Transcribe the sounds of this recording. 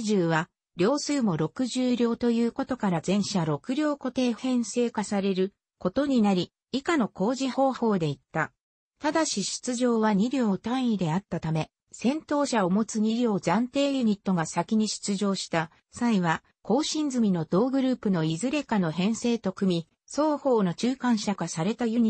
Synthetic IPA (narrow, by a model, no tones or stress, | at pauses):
ʑɨːβa | ɾʲo̞ːsɨːmo̞ɾo̞kɯ̟ʑɨːɾʲo̞ːt̪o̞jɯ̟ːko̞t̪o̞kaɾazẽ̞ɰ̃ɕaɾo̞kɯ̟ɾʲo̞ːko̞t̪e̞ːhẽ̞ɰ̃se̞ːkasaɾe̞ɾɯ̟ | ko̞t̪o̞ɲ̟inaɾʲi | ikano̞ko̞ːʑiho̞ːho̞ːd̪e̞it̪ːa | t̪ad̪aɕiɕi̥t͡sɨʑo̞ːβaɲ̟iɾʲo̞ːt̪ãɰ̃id̪e̞at̪ːat̪ame̞ | sẽ̞nt̪o̞ːɕaomo̞t͡sɨɲ̟iɾʲo̞ːzãnt̪e̞ːjɯ̟ɲ̟it̪ːo̞ɡasakʲiɲ̟iɕi̥t͡sɨʑo̞ːɕi̥t̪a | saiβa | ko̞ːɕĩnd͡zɨmʲino̞d̪̥o̞ːɡɯ̟ɾɯ̟ːpɯ̟no̞izɨɾe̞kano̞ɦẽ̞ɰ̃se̞ːt̪o̞kɯ̟mʲi | so̞ːho̞ːno̞t͡ɕɨːkãɰ̃ɕakasaɾe̞t̪ajɯ̟ɲ̟i